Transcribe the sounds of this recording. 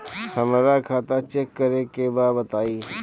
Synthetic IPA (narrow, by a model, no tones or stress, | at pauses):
hɐmaːɾakʰaːt̪at͡ʃɛkːəɾekebaːbət̪aːiː